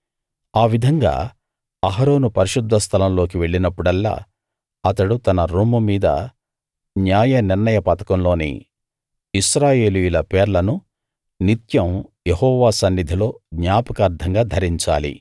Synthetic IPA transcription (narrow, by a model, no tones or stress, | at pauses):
aːʋid̪ʱɐŋɡa̰ː | ɐɦɐɾo̞ːnupɐɾiʃud̪ʱːɐst̪ʰɐlɐmlo̞ːk̬iʋe̞ɭːinɐpːuɽɐlːa̰ː | ɐt̪ɐɽut̪ɐnɐɾuːmumiːd̪ɐ̰ | njaːjɐniɾnɐjɐpɐt̪ɐ̥kɐmlo̞ːnḭ | iʃɾaːje̞ːlujulɐpeːɾlɐnu | nit̪jɐmjehɔːʋaːsɐnːid̪ʱilo̞ːɡɲaːpɐkɐːɾd̪ʱɐŋɡaːd̪ʱɐɾiɲt͡ʃa̰ːlḭ